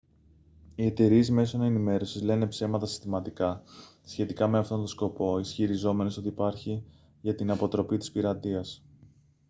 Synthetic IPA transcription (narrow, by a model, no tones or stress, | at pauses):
ie̞t̪e̞ɾiezme̞so̞ne̞nime̞ɾo̞sizle̞ne̞pse̞mɐt̪ɐsi̥st̪imɐt̪ikɐsçe̞t̪ikɐme̞ɐft̪o̞nt̪o̞sko̞po̞isçiɾizo̞me̞neso̞t̪iːpɐɾçi | ʝɐt̪inɐpo̞t̪ɾo̞pit̪ispiɾɐt̪iɐs